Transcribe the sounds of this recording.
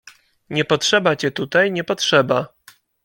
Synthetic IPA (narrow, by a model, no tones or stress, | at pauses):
ɲɛpɔtʂɛbat͡ɕɛt̪ut̪ajɲɛpɔtʂɛba